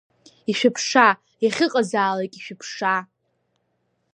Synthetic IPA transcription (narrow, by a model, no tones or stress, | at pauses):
iʃᶣɪpʰʂa | jaχʲɪqʼazaːlajkʼiʃᶣɪpʰʂa